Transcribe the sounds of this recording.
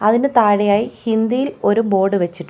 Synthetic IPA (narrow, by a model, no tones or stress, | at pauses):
ɐðinɨt̪aːɽɐjaːjihind̪ijilo̞ɾubo̞ːɖɨʋet͡ɕːiʈː